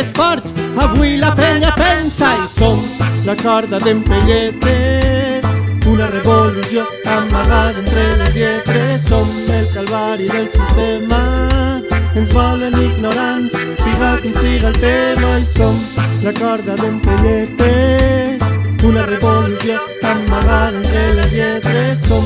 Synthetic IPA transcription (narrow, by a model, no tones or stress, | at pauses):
esfɔɾt͡ʃaβwilapeɲapensaisoŋlakɔɾðaðempeʎet̪esunareβoluzjo | amaɣaðent̪ɾelezet̪ɾesːombelkalβaɾiðelsist̪ema | enzβɔleniɣnoɾanssiɣakunsiɣalt̪emaisoŋlakɔɾðaðempeʎet̪esunareβoluzjot̪ammaɣaðent̪ɾelezʎet̪ɾesom